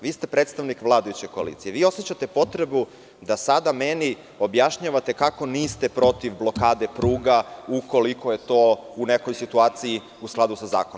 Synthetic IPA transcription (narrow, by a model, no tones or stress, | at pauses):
ʋiːst̪e̞pɾeːt̪st̪aʋnikʋlˠaːd̪ajut͡ɕeko̞a̰lḭt̪sije̞ʋiːo̞set͡ɕat̪epo̞t̪ɾe̞bu | d̪asad̪ameni | o̞bjaʃɲaːʋat̪ekako̞niːst̪e̞pɾo̞t̪iʋblˠo̞kaːd̪e̞pɾuːɡauko̞likoje̞t̪o̞ːuneko̞jsit̪uaːt̪siji | usklˠad̪usaza̰ːkonom